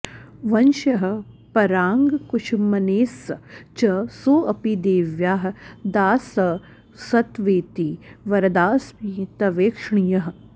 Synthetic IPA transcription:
ʋɐnʃɐɦɐ̆ | pɐɾaːŋɡkuʃʰmɐneːsɐt͡ʃɐsoːɐpid̪eːʋjaːɦd̪aːsɐ | sɐt̪ʋeːt̪iʋɐɾɐd̪aːsmiːt̪ɐʋeːkʂɳijɐɦ

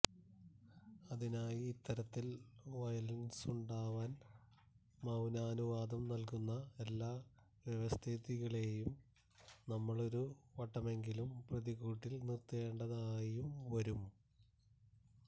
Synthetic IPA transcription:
ɐðinaːjiːt̪ːɐɾɐt̪ːilʋɐjɐlnsuɳɖaːʋaːn | mɐwnaːnuʋaːd̪ɐmnɐlkunːɐelːaː | ʋjeʋɐst̪ʰiðiɣɐɭe̞jum | nɐmːɐɭo̞ɾuʋɐʈːɐme̞ŋɡilumprɐðiɣuːʈːilnirt̪ːe̞ːɳɖɐðaːjumʋɐɾum

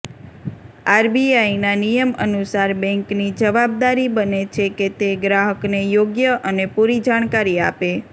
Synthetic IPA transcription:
aɾbiainanijəmə̰nusaɾbɛ̃ŋknid͡ʒəʋab̚d̪aɾibənet͡ʃʰeket̪eɡɾaɦəknejoɡjəʔənepuɾid͡ʒaɽ̃kaɾiape

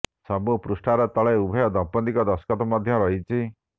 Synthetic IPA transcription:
sɔbupɾusʈʰaɾɔt̪ɔɭeubʱɔjɔd̪ɔpɔnd̪ikɔd̪ɔskɔt̪ɔmɔd̪ʱjɔɾɔɦit͡ʃʰi

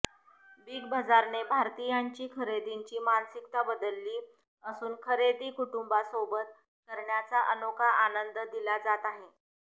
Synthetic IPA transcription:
biːɡbəd͡zaɾnebʱaɾt̪ijaɲt͡ɕiːkʰəɾed̪iɲt͡ɕiːmansikt̪abəd̪əlːiː | əsuːnkʰəɾed̪iːkuʈumbasobət̪̚ | kəɾɳjat͡saʔənokaʔanənd̪əd̪ilad͡zat̪aɦe

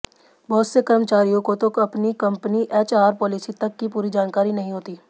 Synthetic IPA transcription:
bɔːʊt̪sekɐɾmət͡ʃaːɾijõkot̪okɐpnikɐ̃mpniʔeːt͡ʃaːɾpɔːliːsit̪ɐkːipuːɾid͡ʒaːnkaːɾinɐɦĩɦoːt̪iː

